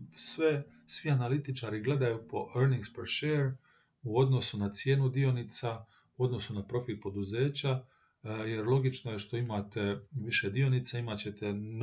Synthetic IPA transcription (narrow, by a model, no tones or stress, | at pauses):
sʋe | sʋianalit̪it͡ʃaɾiɡle̞d̪ajupo̞ʔeɾniŋɡspeɾʃeːɾ | uo̞d̪no̞sunat̪sje̞ːnud̪io̞nit̪sa | uo̞d̪no̞sunapɾo̞fil̚po̞d̪uze̞ːt͡ɕa | jeɾlˠo̞ɡit͡ʃno̞jeʃt̪o̞imat̪eʋiʃed̪io̞nit̪saimat͡ɕe̞t̪en